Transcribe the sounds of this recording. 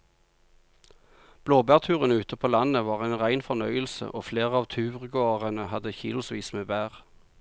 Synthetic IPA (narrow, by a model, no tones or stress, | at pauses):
b̥loːbæːʁt̪ʰʉːʁənəʉːt̪əpʰoːlɑnəʋɑːʁæɪnʁæɪnfɔʁnœʏəlsə̰ʔoːfleːʁəɑːʋt̪ʰʉːʁɡoːʁənəhɑd̪əçḭːlʊsʋiːsmeːbæːʁ